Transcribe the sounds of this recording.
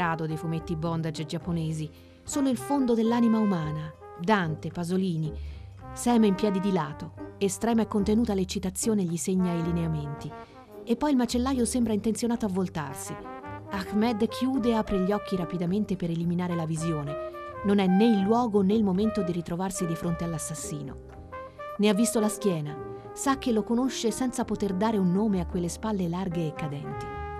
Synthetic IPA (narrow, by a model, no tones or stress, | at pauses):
aːd̪od̪ejfumet̪ːibɔnd̪ad͡ʒed͡ʒapːoneːzi | soːloilfond̪od̪elːaːnimaumaːna | d̪ant̪epazoliːni | sɛːmeimpjɛːd̪id̪ilaːt̪oest̪ɾɛːmaɛkːont̪enuːt̪alet͡ʃːit̪at̪sːjoːneʎːiseɲːaejlineament̪i | epːɔjilmat͡ʃelːaːjosembɾaint̪ent̪sjonaːt̪oavːolt̪a̰rsi | akmɛd̪kʰjuːd̪eaːpɾeʎːɔkʰːiɾapid̪ament̪epeɾeliminaːɾelavizjoːnenonɛneilːwɔːɡoneilmoment̪od̪iɾit̪ɾovarsid̪ifɾont̪ealːasːasːiːno̰ | neavːist̪olaskjɛːna | sak̟ːelokonoʃːesɛnt̪sapot̪erd̪aːɾeunːoːmeakːwelːespalːelarɡeːkːad̪ɛnt̪i